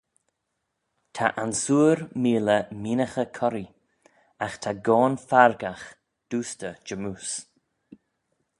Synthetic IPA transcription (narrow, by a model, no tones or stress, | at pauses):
tʰa̰ʔansuːɾmiːləmiːnəxəkʰɔɾi | axt̪ʰaɡɔːnfaɹɡax | d̥uːstəd͡ʒəmuːs